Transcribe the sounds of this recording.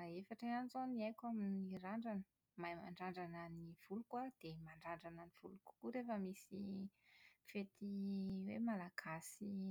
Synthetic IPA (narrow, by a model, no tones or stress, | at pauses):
aefaʈ͡ʂaanzoniajkʲaminiɾaɳɖ͡ʐanə | majma̰ɳɖ͡ʐaɳɖ͡ʐananiv̥ulukad̪̥emaɳɖ͡ʐaɳɖ͡ʐananiv̥uluku̥kuɾefəmisi | fet̪ʰiwemalaɡ̥asi